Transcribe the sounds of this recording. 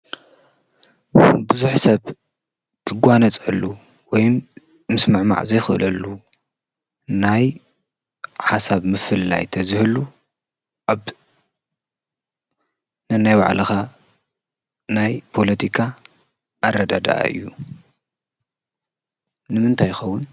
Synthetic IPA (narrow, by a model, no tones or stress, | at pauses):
bɨzuħsɐβ | kʰɨɡʷanɐt͡sʼɐlːu | wɔjm | mɨsmɨʕma̰ʕzɐjxɨʔɨlɐlːu | naj | ħasaβmɨfɨlːa̰jt̪ʰɐzɨhɨlu | ʔaβ | nɨnajwa̰ʕlʔɐxa | najpʰo̞lɐt̪ʰikʰa | ʔːɾɐd̪ad̪a̰ʔa̰ʔɨ̰jːu | nɨmɨnt̪ʰajxɐwːʊn